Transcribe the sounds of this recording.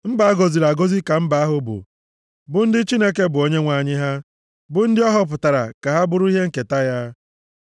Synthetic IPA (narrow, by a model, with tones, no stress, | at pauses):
m̩˦ba˨a˦ɡo˨zi˨ɾa˨ɡo˦zi˦ka˨m̩˦ba˨a˦ɦʊ˨bʊ̰˨ | bʊ˨n̩˦dɪ˦t͡ʃi˦ne˦k̬e˦bʊ˨o˦ɲe˦ŋʷa˨ɲɪ˦ɦa˦ | bʊ˨n̩˦dɪ˦ɔ˦ɦɔ˦p̬ʊ˨ta˨ɾa̰˨ka˨ɦa˦bʊ˦ɾʊ˦i˦ɦe˦ŋ̩˨ke˨ta˦ja˦